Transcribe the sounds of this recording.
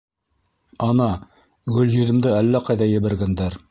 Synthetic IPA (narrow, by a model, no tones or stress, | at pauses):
ɑnɑ | ɡɵljɵ̆ðɘ̆md̪ɘælːæqɑjðɑjɘ̆βɘ̆ɾɡænd̪æɾ